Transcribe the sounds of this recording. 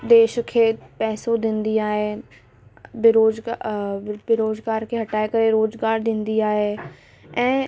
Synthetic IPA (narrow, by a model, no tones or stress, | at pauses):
d̪eːʃkʰeːpɛːsod̪ɪ̃nd̪iaːɦeː | bɪɾoːzɡabɪɾoːzɡaːɾkʰeːɦɐʈaːekɐɾeɾoːzɡaːɾd̪ɪ̃nd̪iaːɦeː | ɛ̃ː